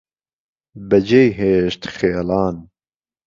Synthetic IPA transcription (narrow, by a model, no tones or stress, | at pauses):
bɐd͡ʒejɦeːʃt̪xeːlɑːn